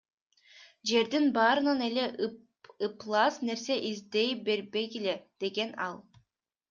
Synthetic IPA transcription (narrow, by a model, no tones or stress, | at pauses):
d͡ʒe̞ɾd̪inbɑːɾɯnɑne̞le̞ | ɯplˠɑːsne̞ɾse̞ʔizd̪e̞jbe̞ɾbe̞ɡele̞d̪̥e̞ɡe̞nɑlˠ